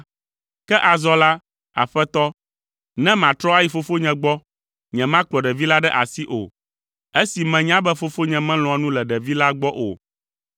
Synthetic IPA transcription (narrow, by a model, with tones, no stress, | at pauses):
kɛ˦ʔa˨zɔ˦la˦ | a̰˨ɸɛ˦t̪ɔ˦ | nɛ̃˦mã˨t̪ɾɔ˦a˦ji˨fo˦fo˦ɲɛ̃˨ɡ͡bɔ˦ | ɲɛ̃˨mã˦k͡plɔ˨ɖɛ˨vi˦la˦ɖɛ˦ʔa̰˨si˦ʔo̰˨ | e˦si˨mɛ̃˨ɲ˦ã˦bɛ˦fo˦fo˦ɲɛ̃˨mɛ̃˦l̃ɔ̃˨a˨nũ˦lɛ˨ɖɛ˨vi˦la˦ɡ͡bɔ˦ʔo̰˨